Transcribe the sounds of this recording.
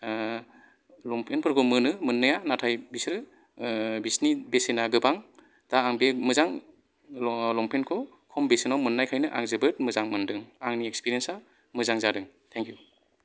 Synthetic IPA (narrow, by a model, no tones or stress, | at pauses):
lɔmpʰenpʰɯɾkʰɔmɯnɯmɯnːɯjanatʰajbisɾɯ | bisnibesenaɡɯbaŋ | d̥aːŋbemɯzaŋ | lɔmpʰenkʰɔ | kʰɔmbesenɔwmɯnːajkʰajnɯʔa̰ŋzɯbɯt̚mɯzaŋmɯndɯŋaŋniekspiɾiensa | mɯzaŋzadɯŋtʰɛŋkʰju